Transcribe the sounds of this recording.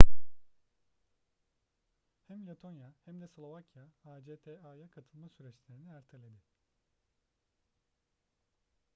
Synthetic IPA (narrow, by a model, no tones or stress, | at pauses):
hæmlʲet̪ʰo̞njahæmd̪ɛslˠovacʰjaad͡ʒet̪ʰɛajakʰat̪ʰɯlˠmasyɾɛt͡ʃlʲe̞ɾiniæɾt̪ʰelʲed̪ɪ